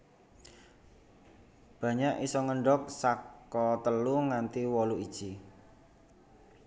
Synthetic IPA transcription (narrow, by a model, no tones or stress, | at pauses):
b̥ä̤ɲaʔisɔŋəɳɖɔk̚sakɔt̪əluŋant̪iwɔluid̥ʒ̥i